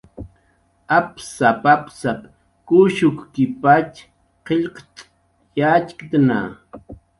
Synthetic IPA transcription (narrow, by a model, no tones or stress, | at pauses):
apsapapsap | kuʃʊkkɪpat͡ʃ | qeʎqt͡ʃʼ | jat͡ʃkt̪na̰